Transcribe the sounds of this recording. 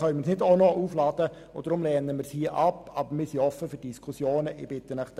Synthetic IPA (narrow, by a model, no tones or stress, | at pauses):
œnmɪsnɪdonɔʔuːflɑːd̥ə | od̥əɾʊmlɛːnəmɪːɾshiəʔɑpːɑːbəɾmɪsiɔfːəfʏdiskʰusjoːnəʔɪ̰b̥ɪt̪ənəχ